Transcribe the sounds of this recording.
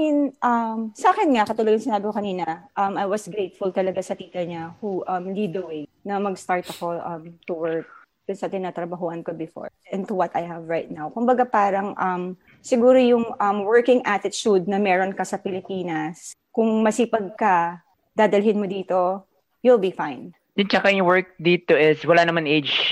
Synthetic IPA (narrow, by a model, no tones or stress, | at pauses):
ɛnʔɐmsɐʔaːkɛnŋɐkɐt̪ʊloɡɐŋsɪnaːbɪkokɐniːnɐʔɐmɐjwɐsɡɾejt̪fʊlt̪ɐlɐɡasɐt̪iːt̪ɐɲahuʔɐmliːd̪ɐwɛnɐmɐɡst̪aɹt̪ɐko̞ʔɐmt̪ʊwɛɹk̚ | d̪ʊnsɐt̪ɪnaːt̪ɾɐbɐɦuʔɐnkobɪfo̰ɹʔɛnt̪ʊwɐt̪ʰɐjhɐvɹajt̪̚nawkʊmbɐɡapaːɾɐŋʔɐm | sɪɡuːɾojʊŋʔɐmwɛɹkɪ̃ŋʔat̪ɪt̪t͡ʃud̪̚nɐmɛːɾonkɐsɐpɪlɪpiːnɐs | kʊŋmɐsiːpɐɡ̚kɐ | d̪aːd̪ɐlɦɪnmod̪iːt̪o̞ | jilˠbifaɪn | d̪ʊnt͡ʃɐkajwɛɹk̚d̪iːt̪oʔɪswɐlanɐmanʔejd͡ʒ